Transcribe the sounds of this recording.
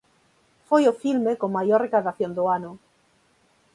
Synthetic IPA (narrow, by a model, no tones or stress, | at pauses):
fojofilmekomajoɾrekaðaθjond̪oanu